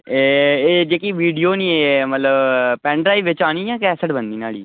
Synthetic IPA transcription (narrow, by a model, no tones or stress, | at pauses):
eːeːd͡ʒeːkiːʋiːɖijoːniːemət̪ləbpɛ̃ːɳʈɾaːiʋɪt͡ʃaːñiːjãːkɛːsəʈbə̃nd̪iːnaːlḭː